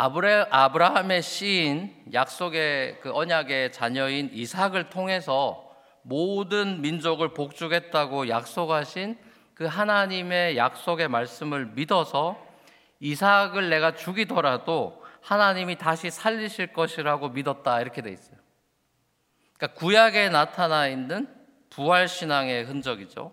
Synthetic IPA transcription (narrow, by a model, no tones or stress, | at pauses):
aabɯɾaɦame̞ɕ͈ʰiːnjak̚s͈oɡe̞kɯʌɲaɡe̞t͡ɕaɲʌinisʰaɡɯɭtʰoŋɦe̞sʰʌ | modɯnmind͡ʑoɡɯɭpok̚t͡ɕ͈uɡɦe̞t̚t͈aɡojak̚s͈oɡɦaɕʰin | kɯɦanaɲime̞jak̚s͈oɡe̞maɭs͈ɯmɯɭmidʌsʰʌ | isʰaɡɯɭːe̞ɡat͡ɕuɡidʌɾadohanaɲimitaɕʰisʰaʎːiɕʰiɭk͈ʌɕʰiɾaɡomidʌt̚t͈aiɾʌkʰe̞dwe̞is͈ʌjo | ik͈akujaɡe̞natʰanainːɯn | puɦaɭɕʰinaŋe̞ɦɯnd͡ʑʌɡid͡ʑo̰